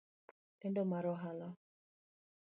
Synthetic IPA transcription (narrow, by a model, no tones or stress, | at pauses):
ɛndɔmaɾɔɦala